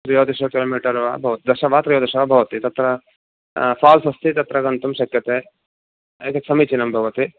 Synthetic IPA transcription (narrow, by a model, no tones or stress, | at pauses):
t̪ɾijoːd̪iʃokiloːmiːʈɐɾʋa̰ːbʱɐʋɐt̪id̪ɐʃɐʋaːt̪ɾijoːd̪ɐʃɐʋaːbʱɐʋɐt̪it̪ɐt̪ɾɐ | faːlsɐst̪it̪ɐt̪ɾɐɡɐnt̪umʃɐkjɐt̪eː | ɐt̪ɐksɐmit͡ʃinɐmbʱɐʋɐt̪i